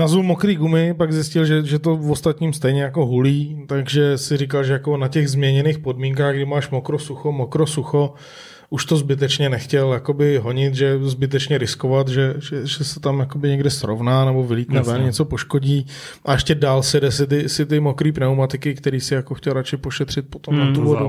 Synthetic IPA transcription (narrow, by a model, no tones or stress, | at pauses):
nazumokɾiːɡumɪpaɡzɪscɪlʒɛʒɛt̪o̞vost̪at̪ɲiːmst̪ɛjɲɛjako̞ɦuliːt̪aɡʒɛsɪɾɪk̬alʒɛjakonacɛɣzmɲɛɲɛniːxpo̞dmiːŋk̬aːɣɡdɪmaːʃmokɾosuxomokɾosuxo̞ | ʔuʃt̪ozbɪt̪̬ɛt͡ʃɲɛnɛxcɛljakobɪɦo̞ɲɪt̪ʒɛzbɪt̪̬ɛt͡ʃɲɛɾɪskovat̪ʒɛʒɛʒɛsɛt̪amjakobɪɲɛɡdɪsɾo̰vnaːnɛbo̞vɪliːt̪nɛvɛnɲɛt͡sopoʃkoɟiː | ʔaʔɛʃcɛdaːlsɛdɛsɪt̪̬ɪsɪt̪ɪmokɾiːpnɛwmat̪ɪkɪkt̪ɛɾiːsɪjakoxcɛlɾat͡ʃɪpo̞ʃɛt̪r̝̥ɪt̪̚pot̪omnat̪uvodu